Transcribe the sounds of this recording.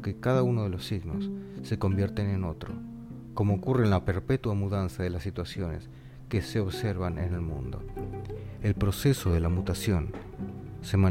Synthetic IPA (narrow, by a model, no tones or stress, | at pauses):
kekaðauno̞ðe̞lo̞siɣno̞sːe̞ko̞mbje̞ɾt̪eneno̞t̪ɾo̞ | ko̞mo̞ːkurenlape̞ɾpet̪wamuðansaðe̞lasːit̪wasjo̞ne̞̰s | kese̞o̞βse̞ɾβanʔḛnelmṵ̃nd̪o̞̰ | e̞lpɾo̞se̞so̞ðe̞lamut̪asjo̞n | se̞mã